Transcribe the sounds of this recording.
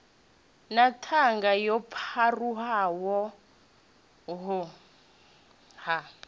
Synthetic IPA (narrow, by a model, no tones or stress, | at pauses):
natʰaŋɡajɔpʰaruɦawɔ | ɦʊ | ha